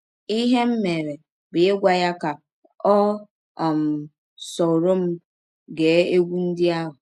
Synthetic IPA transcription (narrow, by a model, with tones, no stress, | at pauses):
i˦ɦe˦m̩˦me˨ɾe˨ | bɪ˨e˦ɡʷa˦ja˦ka˨ | ɔ˦˨ | m̩˨ | sɔ˨ɾo˦m̩˦ | ɡe˨˦e˦ɡʷu˦n̩˦dɪ˦a˦ɦʊ˨